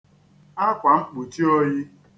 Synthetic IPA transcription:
a˦kʷa˨ŋ͡m̩˦k͡pu˨ti˦o˦ji˦

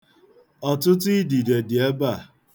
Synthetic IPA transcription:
ɔ˨tʊ˦ti˦di˨de˨dɪ˨e˦ba˦˨

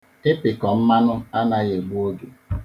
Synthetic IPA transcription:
e˦pɪ˨kɔ˨m̩˦ma˦nʊ˦a˦na˨ɣe˨ɡ͡bu˦o˦du˨

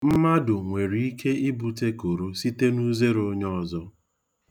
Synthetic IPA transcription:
m̩˦ma˦dʊ˨ŋʷe˨ɾi˨i˦kʰe˦ɪ˦bu˨te˦ko˨ɾo˦si˦te˦nu˦ze˦ɾo˨˦ɲɔ˦˨zɔ˦

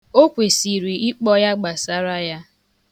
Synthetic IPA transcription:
o˦kʷe˨si˨ɾi˨i˦k͡pɔ˦ja˦ɡ͡ba˨sa˦ɾa˦ja˦

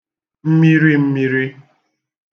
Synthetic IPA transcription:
m̩˦mi˦ɾi˦m̩˦mi˦ɾi˦

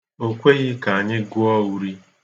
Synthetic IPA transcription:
o˦kʷe˦ɣɪ˦ka˨a˨ɲɪ˦ɡʊ˦ɔ˦u˦ɾi˦

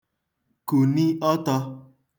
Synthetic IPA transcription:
ku˨ni˦ɔ˦tɔ˧

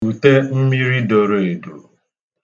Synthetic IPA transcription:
u˨te˦m̩˦mi˦ɾi˦do˨ɾo˨e˨do̰˨

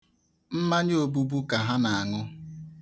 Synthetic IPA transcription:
m̩˦ma˦ɲ˦o˨bu˦bu˦ka˨ɦa˦na˨a˨ŋʊ˦

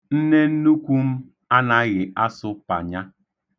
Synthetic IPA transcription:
n̩˦ne˦n̩˦nu˦kʷu˦m̩˦ | a˦na˨˦ɣɪ˨a˦sʊ˦pa̰˨ɲa˦

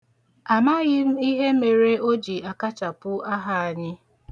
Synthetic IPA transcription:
a˨ma˦ɣɪ˦m̩˦i˦ɦe˦me˨ɾe˦o˦d͡ʒi˨a˨ka˦t͡ʃa˨pʊ˦a˦ɦa˦a˨ɲɪ˦

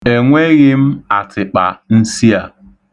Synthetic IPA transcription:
e˨ŋʷe˦ɣɪ˦m̩˦a˨tʰɪ˨k͡pa̰˨n̩˦si˦a˨

